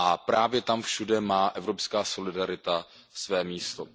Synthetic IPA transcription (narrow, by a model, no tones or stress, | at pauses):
ʔapɾaːvjɛt̪amfʃudɛmaːʔɛvɾo̞pskaːso̞lɪdaɾɪt̪a | svɛːmiːst̪o